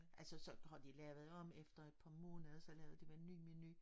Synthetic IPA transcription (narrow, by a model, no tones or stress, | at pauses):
ʔælsəsɒ̽hɑ̈d̥ilɛːʊð̩ˠɒ̽mefd̥ɐe̝d̥̚pʰɑ̈ːmɔ̽ːnɐsɒ̽lɛːʊð̩ˠd̥iʋæɐenːyːmeny